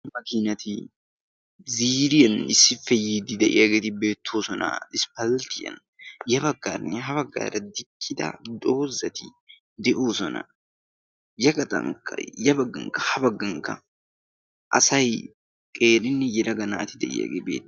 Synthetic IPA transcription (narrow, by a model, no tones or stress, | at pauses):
mɐkɪnɐt̪ɪ | ziːɾɪjɐnɪsːɪfːɛjid̪ɪd̪ɛʔɪjɐɡeːt̪ɪbeːt̪ʰːo̞ːsɔnɐ̰ɪspɐlt̪ɪjɐ̰n | jɐbɐɡːaːɾnɛɦɐbɐɡːa̰ːɾɐd̪ɪkʼːɪd̪ɐ̰d̪o̞ːzɐt̪ɪ | d̪ɛʔoːsɔnɐ̰ | jɐɡɐt̪ʼɐ̰ŋkɐ̰jɐbɐɡːɐ̰ŋkɐhɐbɐɡːɐŋkɐ̰ | ʔɐ̰sɐj | kʼe̞ːɾɪnːɛjɛɾɐɡɐna̰ːt̪ɪd̪ɛ̰ʔɪ̰jɐ̰ɡebḛːt̪ː